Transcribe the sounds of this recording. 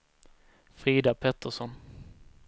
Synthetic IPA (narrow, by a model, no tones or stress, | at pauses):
fɾiːd̪apʰɛt̪ʰːəʂɔn